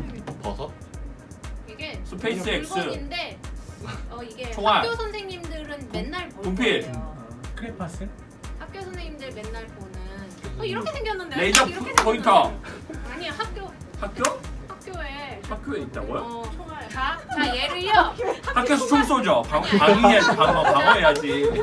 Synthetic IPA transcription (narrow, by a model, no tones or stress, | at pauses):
pʌsʰʌ | iɡesʰɯpʰeis͈es͈ɯinde̞ | ʌiɡet͡ɕʌŋamaɾjosʰʌnsʰeŋɲimdɯɾɯnmenːaɭbotompʰe | kʰɯɾipʰas͈ɯ | hak̚k͈josʰʌnsʰeŋɲimdɯɭmenːaɭbonɯnʌiɾʌkʰesʰeŋɡjʌnːɯndeneid͡ʑʌpʰʌintʰʌaɲiohak̚kjohak̚k͈johak͈̚joehak͈joeit̚t͈a̰ɡojot͡ɕʰʌŋmaaaeɾɯʌahakk͈josʰt͡ɕʰoŋs͈ʰod͡ʑʌpapaɡiead͡ʑpaŋʌpaɡoɦejad͡ʑi